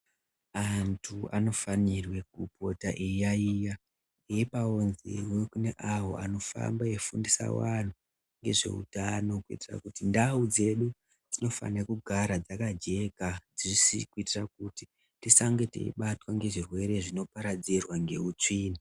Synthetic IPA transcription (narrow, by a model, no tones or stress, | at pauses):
antʰuano̞fanirwe̞k̚upo̞taʔejaija | eipaonzḛwekune̞ʔaɦo̞ʔano̞fa̰mbajefundisa̰wan̤u | ŋɡe̞̰ʐe̞̰ṵtano̞kuḭtira̰kutindaud͡ze̞ɗu | d͡zino̞fa̰nekuɡʱaɾad͡zakad͡ʒe̞kad͡zisḭkuitirak̚uti | tisaŋɡete̞̰ḭɓatwaŋɡe̞ʐirwe̞ɾe̞ʐino̞paɾad͡zirwaŋɡe̞ut͡ʂiːni